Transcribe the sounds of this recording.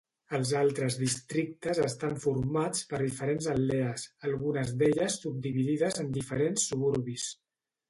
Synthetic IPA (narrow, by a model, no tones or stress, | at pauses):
əlˠzalˠt̪ɾəzðist̪ɾik̚t̪əzəst̪aɱfuɾmat͡spəɾðifəɾenzəlːɛəsəlˠɣunəzd̪eʎəsːub̚d̪iβiðiðəzənd̪ifəɾensːuβuɾβis